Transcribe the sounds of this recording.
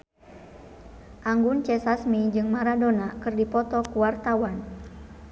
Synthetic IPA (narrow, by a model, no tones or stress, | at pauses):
ʔaŋɡunt͡ʃɛsasmid͡ʒɨŋmaɾadonakɨrdipɔt̪ɔkuwart̪awan